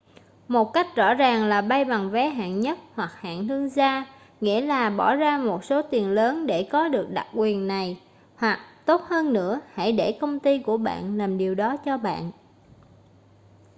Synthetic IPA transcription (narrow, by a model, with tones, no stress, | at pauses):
mo˨˩t̚ka˦˥jk̟̚zɔ̰˧˥zaː˨˩ŋlaː˨˩ɓa˧jɓa˨˩ŋvɛ˨˦ɦa̰ː˧˨nɲə˦˥t̚hwa˨˩k̚ha̰ː˧˨nh̪ɨ˧əŋzaː˧ | ŋḭ˧˥əlaː˨˩ɓɔ˧˩zaː˧mo˨˩t̚so˨˦t̪i˨˩ənləː˨˦nɗe˧˩kɔ˨˦ɗɨ˨˩ək̚ɗa˨˩k̚kwi˨˩ənːa˨˩j | hwa˨˩k̚t̪o˦˥t̚həː˧nːɨ̰˧˥əha̰˧˩jɗe˧˩kə˧wŋ͡mt̪i˧ku˧˩əɓa̰ː˧˨nlaː˨˩mɗi˨˩əwɗɔ˨˦t͡ɕɔ˧ɓa̰ː˧˨nʔ